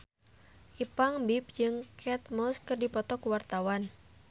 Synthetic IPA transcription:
ʔipaŋbip̚d͡ʒɨŋkʰɛt̪̚mɔskɨrdipɔt̪ɔkuwart̪awan

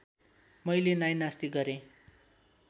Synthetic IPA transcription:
mʌjlenajnast̪iɡʌɾẽ

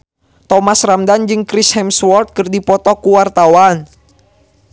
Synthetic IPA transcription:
t̪ɔmasramdand͡ʒɨŋkɾishɛmswɔrt̪̚kɨrdipɔt̪ɔkuwart̪awan

